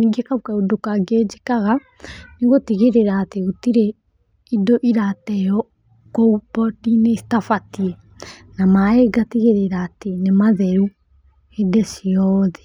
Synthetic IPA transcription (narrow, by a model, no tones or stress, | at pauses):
niɡekaukaodokaɡed͡ʒekaɣa | niɣotiɣeɾeɾaːteɣotiɾe | idoʔiɾatɛjɔ | koubɔtinestafatiɛ | namaeɡatiɣeɾeɾaːtenemaðɛɾu | edɛsiɔðɛ